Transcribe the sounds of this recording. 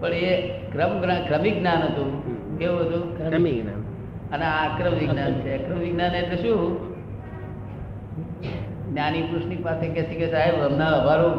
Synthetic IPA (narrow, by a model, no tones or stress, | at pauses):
pəɳekɾəmɡnakɾəmiɡnanɦət̪ũkeũɦət̪ũmiɡna | əneakɾəmʋiɡnant͡ʃʰeəkɾəmʋiɡnanet̪leʃũː | nanipɾuʃnipasʰekɛsʰikesaɦeɾɾəmnaʋəbʱaɾũ